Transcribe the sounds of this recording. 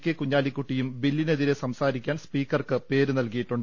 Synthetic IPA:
kʲːekuɲːaːlikːuʈːijumbilːineðiɾe̞sɐmsaːɾikʲːaːnspiːkːɐrkɨpe̞ːɾunɐlkɐjiʈːuɳɖ

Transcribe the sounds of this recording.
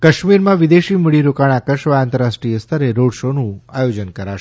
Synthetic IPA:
kəʃmiɾmãʋid̪eʃiməɭiɾokaɳ̃akəʃʋaant̪əɾasʈɾijəst̪ʰəɾeɾoɽʃonũajod͡ʒənkəɾaʃ

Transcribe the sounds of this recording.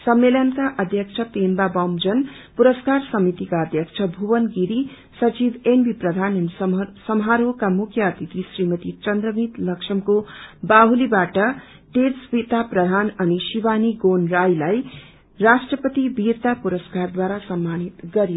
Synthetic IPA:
sʌmːelʌnkaʔʌd̪ʱjʌk̚t͡sʰʌpembabʌmd͡zʌn | puɾʌskarsʌmit̪ikaʌd̪ʱjʌk̚t͡ʃʰʌbʱuwʌnɡiɾi | sʌt͡ʃibenbʱiprʌd̪ʱanʌnisʌmɦaɾokamukʰjʌːt̪it̪isrimʌt̪it͡sʌnd̪rʌmit̪lʌkʂʰʌmkobaɦulibaʈʌ | ʈeɾsbit̪aprʌd̪ʱanʌnisibaniɡonrajlaj | rasʈrʌpʌt̪ibirt̪apuɾʌskard̪waɾasʌmːanit̪ɡʌɾijo

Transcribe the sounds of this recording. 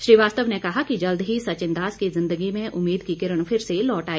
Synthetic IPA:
ʃɾiːʋaːst̪əʋnekɐɦakid͡ʒɐld̪ɦisɐt͡ʃɪ̃nd̪aːskizɪ̃nd̪əɡimẽʔʊmːiːd̪kikɪɾəɽ̃pʰɪɾselɔːʈaːi

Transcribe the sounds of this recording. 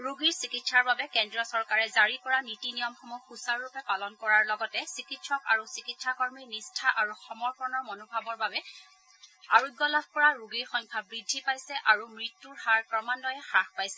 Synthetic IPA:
ɹuɡiɹsikitsaɹbabɛkɛndɹɔsɔɹkaɹɛzaɹikɔɹanitinijɔmxɔmuxusaɹːupɛpalɔnkɔɹaɹlɔɡɔtɛsikitsɔka̰ɹusikitsakɔɹmiɹnistʰaʔaɹuxɔmɔɹkʰɔɹnɔɹmɔnobʱabɔɹbabɛ | aɹuɡːɔlab̚ʱkɔɹaɹuɡiɹxɔŋkʰabɹidʱːipajsɛʔaɹumɹitːuɹxaɹkɹɔmanːɔjɛxaxpajsɛ

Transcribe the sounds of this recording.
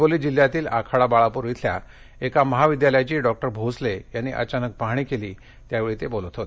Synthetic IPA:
oliːd͡ʑil̤ːjat̪iːlakʰaɽabaɭapuɾʋit̪ʰlja̰ | ekaməɦaʋid̪jaləjat͡ɕiːɖɔk̚ʈəɾbʱoslejanːiʔə̰t͡ɕanək̚paɦɽ̃iːkeliː | t̪jaʋeɭiːt̪ebolət̪ʰɦot̪e

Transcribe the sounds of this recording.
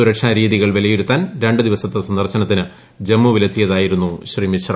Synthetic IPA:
uɾɐkʂaɾiːðiɣɐɭʋelɐjoɾut̪ːaːnɾe̞ɳɖɨd̪iʋɐsɐt̪ːɐsɐnd̪ɐrɕɐnɐt̪ːinɨ | d͡ʑe̞mːuʋilɐt̪ʰːijɐðaːjiɾunːuɕriːmiɕrɐ

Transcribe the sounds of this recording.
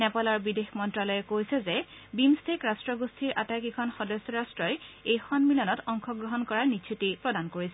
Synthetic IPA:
nɛpalɔɹbidexmɔntɹalɔjɛkojsɛzɛ | bimstʰekɹastɹɔɡostʰiɹʔatajkikʰɔnxɔdɔsɔɹastɹɔjejxɔnmilɔnɔtɔŋkʰɔɡɹɔɦɔnkɔɹaɹnitt͡ʃʰutipɹɔdankoɹisɛ

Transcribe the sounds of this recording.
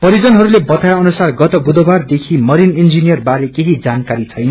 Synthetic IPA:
pʌɾid͡zʌnɦʌɾulebʌt̪ajʌnusarɡʌt̪obud̪obard̪ekʰimʌɾinind͡zinijʌrbaɾekeɦid͡zankaɾit͡sʰʌjnʌ

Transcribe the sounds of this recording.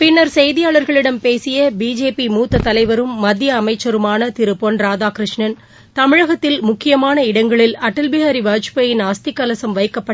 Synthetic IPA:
pɪnːɐɾsɛjðɪjaːɭɐɾɣɐɭɪɽɐmpeːsɪjɐbiːd͡ʒeːpimuːt̪ːɐt̪ɐlɐɪʋɐɾɯmːɐd̪jɐːmɐɪt͡ʃːɐɾɯmaːnɐt̪ɪɾɯpːonɾaːðaːkɾɪʂɳɐn | t̪ɐmɪɻɐɣɐt̪ːɪlmʊkːɪjɐmaːnɐɪɽɐŋɡɐɭɪlɐʈːɐlbɪɣaːɾiʋaːt͡ʃpɐjɪnaːst̪ɪkːɐlɐsɐmʋɐɪkːɐpːɐʈː

